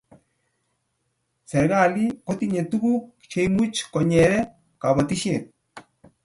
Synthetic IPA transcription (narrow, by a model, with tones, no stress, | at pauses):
sɛ˨ɾɣa˦li˦kɔ˦t̪i˦ɲe˨tu˦ɣu˦ | t͡ʃe˦imu˦t͡ʃkɔ˨ɲɛ˨ɾɛ˦ | ka˨bɔ˨t̪i˦ʃje˨t̪̚